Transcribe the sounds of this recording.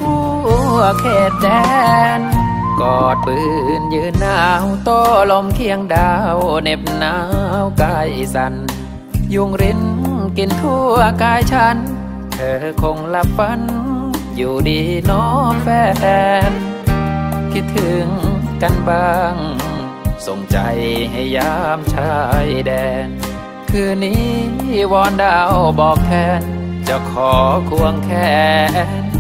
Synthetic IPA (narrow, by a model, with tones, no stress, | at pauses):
uː˧ | əkʰeː˨˩t̪̚dɛː˧˦n | kɔː˨˩t̪̚bɯː˧˩njɯː˧˥nːaː˧˩wt̪ɔː˧˩lo˧˥mkʰi˧əŋdaː˧wne˧p̚naː˧˦wkaː˧˩jʔsa˧n | ju˧ŋɾi˧˥nki˧˩nt̪ʰuː˧˩˧kaː˧jt͡ɕʰa˧˥n | t̪ʰɤː˧˩kʰo˧ŋla˧˥pːa˧˥njuː˨˩diː˧nɔː˦˥mpʰɛː˧˩˧n | kʰi˦˧˥t̪ʰːɯ˨˩˦ŋka˧nbaː˧ŋ | so˨˩ŋt͡ɕa̰˧jɦa˧˩jːaː˧˩˥mt͡ɕʰa˧˥jdɛː˧˩ | kʰɯː˧˩niː˧˥wɔː˧˥ndaː˧˩wbɔː˨˩k̚t̪ʰɛː˧˩n | t͡ɕa˧˩kʰɔː˨˦kʰu˧əŋkʰɛː˧˩˧